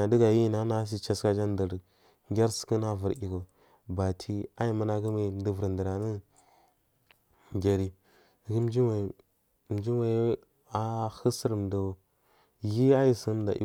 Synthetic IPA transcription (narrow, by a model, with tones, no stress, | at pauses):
a˨də˦ɡa˨ji˦na˦na˦s̬i˦t͡ʃa˦ska˦d͡ʒa˦n˦də˨ɾ | ŋɡʲa˦ɾsə̥˨˦kə˦na˦və˨ɾi˨ɡo˨ | ba˨tʰi˦a˦ji˦mə˦na˦˨ɡə˦e˦˨m˨˦də˨və˨ɾdə˨ɾa˨nə˦˨ | ɡʲa˨ɾi˨ | ɡə˦m˦d͡ʒi˦wa˨ | m˨˦d͡ʒi˦a˦ | a˨hə˦sə˦ɾm˨də˨o˨ | ji˦a˦ji˨sə˦m˨da̰˨ʔḭ˦